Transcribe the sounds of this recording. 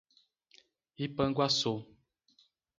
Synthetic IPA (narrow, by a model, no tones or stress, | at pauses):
ipəŋɡwaso